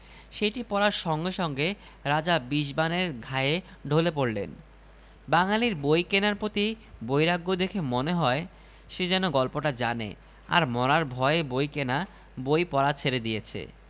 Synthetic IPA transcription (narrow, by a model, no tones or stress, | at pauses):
ʃejʈipɔɾaɾʃɔŋɡeʃɔŋɡe | ɾad͡ʑabiʃbaneɾɡʱaee | ɖʱolep̬oɾlḛn | baŋaliɾbojkenaɾpɾot̪i | bojɾaɡːod̪ekʰemoneɦɔe | ʃed͡ʑɛnoɡɔlpoʈad͡ʑanḛ | a̰ɾmɔɾaɾbʱɔeebojkena | bojpɔɾat͡ɕʰeɾed̪ijet͡ɕʰḛ